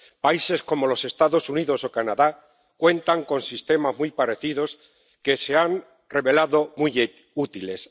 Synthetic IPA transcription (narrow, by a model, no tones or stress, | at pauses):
paise̞sko̞mo̞lo̞se̞st̪aðo̞suniðo̞so̞kanaða | kwe̞nt̪aŋko̞nsist̪e̞mazmujpaɾe̞θiðo̞s | ke̞se̞an | re̞βe̞laðo̞mu | ut̪ile̞s